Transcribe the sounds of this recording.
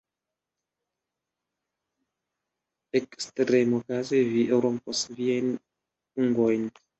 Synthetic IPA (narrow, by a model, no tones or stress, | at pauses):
ekstɾemokazeviʔeɾomposviajn | uŋɡojn